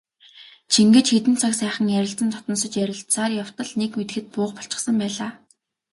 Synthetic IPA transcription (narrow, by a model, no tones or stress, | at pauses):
t͡ɕʰiŋɡĕt͡ɕxet̪ɘ̆nt͡sʰaksæːχə̆ŋjæɾʲɪ̆ɬt͡sə̆nt̪ʰɔ̥t̪nɞ̆sə̆t͡ɕjæɾʲɪ̆ɬsaːrjaw̥t̪ə̆ɮnekmet̪ɘ̆xɘ̆t̪̚pʊːχpɔ̥ɬt͡ɕɪ̆χsə̆mpæːɮaː